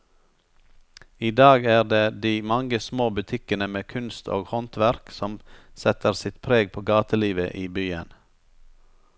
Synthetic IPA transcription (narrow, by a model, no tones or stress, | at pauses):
iːd̪ɑːɡæːʁd̪eːd̪iːmɑŋəsmoːbʉt̪ʰɪkənəmeːkʰʉnst̪ʰo̰ːɡhɔnt̪ʋæɾksɔmsɛt̪əɾsɪt̪pʰɾeːɡ̚pʰoːɡɑːt̪əliːʋəʔiːbyːən